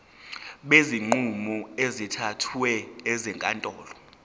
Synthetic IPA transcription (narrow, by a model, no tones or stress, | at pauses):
ɓeziŋ͡ǃumɔezitʰatʰwɛɛzɛŋkʼantʼɔːlɔ